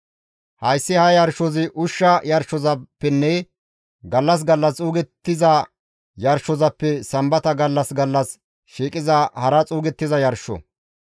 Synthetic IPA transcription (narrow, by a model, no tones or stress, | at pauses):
hɐjsːɪhɐjɐɾʃɔzɪʔʊʃːɐjɐɾʃɔzɐpːɛnːɛ | ɡɐlːɐs̬ɡɐlːɐst͡sʼuːɡɛt̪ːɪzɐ | jɐɾʃːɔzɐpːɛsɐmbɐt̪ɐɡɐlːɐsɡɐlːɐs | ʃiːkʼɪzɐhɐɾɐt͡sʼuːɡɛt̪ːɪzɐjɐɾʃːɔ̰